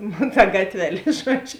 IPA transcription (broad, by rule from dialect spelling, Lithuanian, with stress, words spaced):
nʊ tɐ ˈɡɑːtʲʋʲɛˌlʲeː ˈʒuɔd͡ʒʲʊ